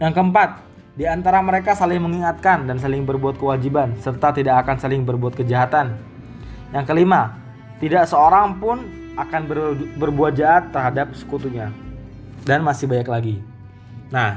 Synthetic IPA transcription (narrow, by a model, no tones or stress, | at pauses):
jaŋkəəmpat̪̚ | diant̪aɾaməɾekasalɪhməŋiŋat̪̚kandans̬alɪŋbərbuat̪̚kəwad͡ʒibansərt̪at̪idakakansalɪŋbərbuat̪̚kəd͡ʒaɦat̪an | jaŋkəlima | t̪idaʔsəoɾaŋpʊn | akanbəbərbuat̪̚d͡ʒaʔat̪ːərɦadap̚sə̥kut̪uɲa | danmasɪhbaɲaklaɡi | nah